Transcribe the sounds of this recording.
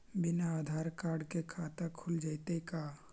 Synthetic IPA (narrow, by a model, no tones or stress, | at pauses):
bɪnaad̪ʱaːɾkaːɾɖkekʰaːt̪akʰʊld͡ʒaɪt̪eka